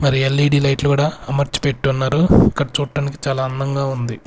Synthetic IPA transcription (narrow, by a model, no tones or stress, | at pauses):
mɐɾielːiɖiːlɐjʈlukuːɽaɐmɐɾt͡ʃi̥pe̞ʈːuɐnːaːɾuikːɐɽɐt͡ʃuːʈːaːniki̥t͡ʃaːlaːɐnːɐŋɡaːund̪i